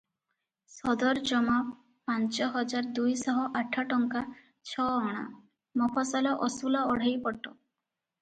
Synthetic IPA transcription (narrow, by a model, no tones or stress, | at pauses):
sɔd̪ɔɾd͡ʒɔma | pant͡ʃɔɦɔd͡ʒaɾd̪ujsɔɦɔʔaʈʰaʈɔŋka | t͡ʃʰɔɔɽ̃a̰ | mɔpʰɔsalɔʔɔsulɔɔɽ̤ejpɔʈːɔ